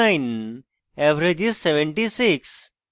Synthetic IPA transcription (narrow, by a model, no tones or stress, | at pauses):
jn | ɛʋɾed͡ʑisːeʋẽɳʈisiks